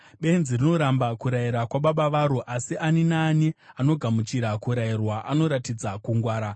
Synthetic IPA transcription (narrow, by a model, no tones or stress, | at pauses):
ɓe̞nzirino̞ɾambakuɾaiɾakwaɓaɓaʋaɾuʔasiʔaninaːniano̞ɡʱamut͡ʃiɾakuɾairwaʔano̞ɾatid͡zakuŋɡwaːɾa